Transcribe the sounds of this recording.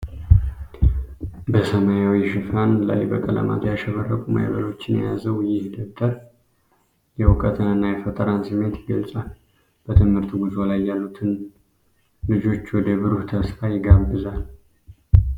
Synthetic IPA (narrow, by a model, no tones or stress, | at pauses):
bəsəmajawiʃɪfanla̰jbə̰kʼələ̰ma̰t̪ʰjaʃəfərːəkʼuma̰jβə̰lo̞t͡ʃːɪnɛ̰ja̰zəwjɪhd̪əβd̪əɾ | jɛwʊkʼət̪ʰənɨnːajɛfət̪ʼəɾansɨmːe̞t̪jɪɡəlsʼal | b̥ət̪ʰɨmhɨɾt̪ʰuɡuzo̞lajːalːut̪ʰɨn | lɨd͡ʒo̞t͡ʃːwɔd̪əβɨɾuht̪ʰəsfajɪɡabːɨzal